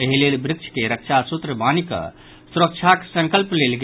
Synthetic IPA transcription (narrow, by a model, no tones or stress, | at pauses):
əɦilelbɾɪk̪t͡ʃʰkeɾək̚t͡ʃʰasut̪ɾəbanikə̰ | suɾək̚t͡ʃʰaksə̃ŋkəlplelɡ